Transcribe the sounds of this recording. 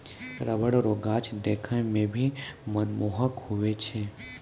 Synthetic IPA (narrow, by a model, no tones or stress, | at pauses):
ɾəʋəɽɾoːɡat͡ʃʰd̪ekʰə̃mẽbʱimənmoːɦəkhuʋet͡ʃʰe